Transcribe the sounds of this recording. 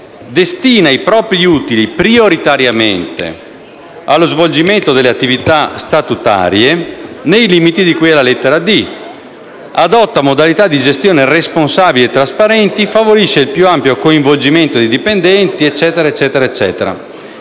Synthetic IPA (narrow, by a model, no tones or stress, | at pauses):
d̪est̪iːnaipɾɔːpɾiut̪ilipɾioɾit̪aɾjament̪ḛ | alːozvold͡ʒiment̪od̪elːeat̪ːivit̪ast̪at̪ut̪a̰ːɾjenejliːmit̪id̪ikujɛlalɛt̪ːeɾad̪i | ad̪ɔt̪ːamod̪alit̪ad̪ːid͡ʒest̪joːneresponsaːbileet̪ːɾaspaɾɛnt̪ifavoɾiʃːeilpjuampjokoiɱvold͡ʒiment̪od̪id̪ipend̪ɛnt̪iɛt͡ʃːɛːt̪eɾaet͡ʃːɛːt̪eɾaet͡ʃːɛ̰ːt̪eɾa̰